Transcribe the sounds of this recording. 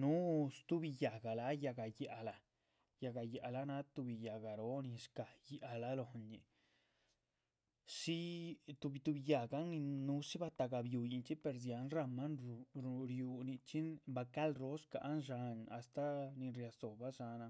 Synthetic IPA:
nu˦st̪u˦bi˧ja˨ɡa˨la˧˦ja˧ɡa˧ja˨ʔa˨la˨ | ja˧ɡa˧ja˨la˧˦na˦t̪u˧bi˧ja˨ɡa˨ɾo˦ni˧ʂka˨ja˨la˦lo˨nḭ˧ | ʂi˦t̪u˧bi˧t̪u˧bi˧ja˨ɡa˦ni˧nu˧˦ʂi˦ba˧t̪a˧ɡa˧bju˧ji˧nt͡ʃi˦pe˧ɾzja˨˧˦nɾa˧ma˦nɾu˨ɾu˧ɾju˧ni˧t͡ʃi˦nba˧ka˦lɾo˨˦ska̰˧ʔnʐa˧na˨st̪a˦ni˧ɾja˧so˨ba˦ʂa˧na˧

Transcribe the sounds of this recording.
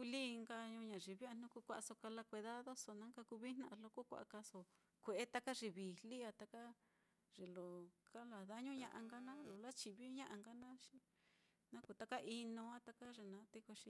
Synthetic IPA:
ku˧li˦˧ŋɡa˧ɲũ˧ɲã˨ʐi˨βi˦a˧n̥nũ˦ku˧kʷa˧ʔa˧so˧ka˧la˧kʷi˧ða˦ðo˦so˧nã˦ŋka˧ku˧βi˦n̥ã˧ʔa˧lo˧ko˦kʷa̰˨ʔa̰˧ka˧so˧ | kʷe˨ʔe˦t̪a˦ka˦ʐi˧βi˨li˦a˧t̪a˧ka˦ | ʐ̥e˨lo˨ka˦la˨ða˦ɲũ˦ɲã˧ʔa˧ŋɡa˦nã˦lo˨la˦t͡ʃi˧˨βi˦ɲã˦ʔa˧ŋɡa˦nã˦ʂi̥˧ | nã˦ku˧t̪a˦ka˦ʔi˧nõ˧a˦t̪a˧ka˦ʐe˧nã˧˦t̪e˦ko˧ʂi˧

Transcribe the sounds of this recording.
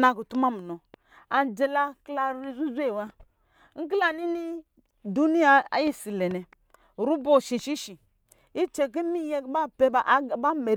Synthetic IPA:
na˨ku˨tu˦ma˦mu˨no˨ | a˨nd͡ʒe˨la˦kla˦ɾi˦zu˦ze˦˨wa˦ | ŋ̩˦k̬la˦ni˦ni˦ | du˦ni˦ja˨a̰˨ji˦si˨le˨nɛ˨ | ɾu˦bo˦˨ʃi˨ʃi˦ʃi˨ | i˦t͡ʃe˨k̬i˦mi˦je˦kba˦pe˦bba˦me˨ɾ

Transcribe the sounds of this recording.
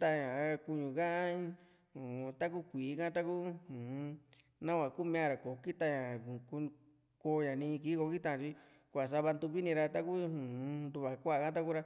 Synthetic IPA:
t̪a˧ɲã˨˧ku˧ɲũ˨kã˦ʔa˦ | ũ˨˧t̪a˦k̬u˦kʷiː˨˦˧kã˦t̪a˦ku˦hũ˨˧ | nã˦kʷã˨˧ku˦mĩ˧ã˧ɾa˨ko˨ki˦t̪a˧ɲã˨ku˧ | ko˧ɲã˨nĩː˧ki˧˦ko˧ki˦t̪ã˧˨˧t͡ʃi˧ | kʷa˨s̬a˧βa˧nd̪u˧βi˦nĩ˧ɾa˧t̪a˦ku˦hũ˨˧nd̪u˧βa˨kʷa˦a˨kã˦t̪̬a˦ku˦ɾa˧

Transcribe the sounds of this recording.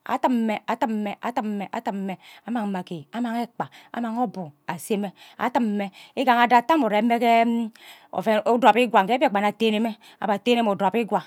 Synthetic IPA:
a̰˦tə˦m˦me˦a˨tə˦m̩˦me˦ʔa̰˦tə˦m̩˦me˦ʔa̰˦tə˦m̩˦me˨a˦ma˨ŋ˨ma˨ke˨a˦ma˨ŋe˦k͡pa˨a̰˦ma˨ŋo˦bu˨a˨se˦me˦a̰˦tɨ˦m̩˨˦me˦i˦ɡa˨ŋa˨da˦˨ta˦mo˨ɾe˨˦me˦ke˦ | o̰˨fe˨˦da˨pi˦ɡwa˨ŋ˨e˦˨k͡pa˨na˨te˦ne˦me˦ | a̰˨ba˨te˦ne˦mo˨do˨pi˦ɡwa˨

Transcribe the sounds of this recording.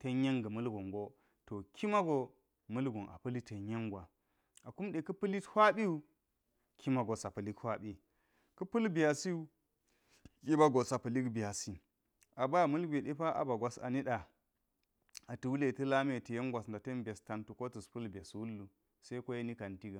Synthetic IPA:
te˦ɲ˦je˦ŋɡə˨mɨ˦lɡu˨ŋɡo˦ | to˨kʰi˦ma˦ɡo˦ | mɨ˦lɡu˨nʔa̰˨pɨ˦li˦te˨ɲje˦ŋɡʷwa˨ | a˨ku˦mɗe˨kə˦pɨ˦li˦thʷa˦ɓi˦u˦ | kʰi˦ma˨ɡo˨sa˨pə˨li˦khwa˦ɓi˦ | ku˦pɨ˦lbi˨ja˨si˦u˦ | ji˦ba˦ɡo˨sa˨pə˨li˦kbi˨ja˨si˨ | a˨ba˦˨mɨ˦lɡʷe˨ɗe˦pa˦ʔa̰˨ba˨ɡʷa˦sa̰˨ni˦ɗa˨ | a˨tu˨wu˦le˦˨tɨ˦la˦me˦˨ti˨je˦ŋɡʷa˨sn˨da˨te˦nbʲe˨sta˨ntu˨ko˦tu˨spu˦lbe˨swu˦lːu˨ | se˦ko˦je˦ni˦ka˨nti˦ɡa˨

